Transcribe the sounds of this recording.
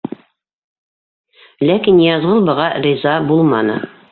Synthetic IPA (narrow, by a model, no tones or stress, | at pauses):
lækinjɑzʁɤlˠbɤ̆ʁɑrʲizɑbulˠmɑnɤ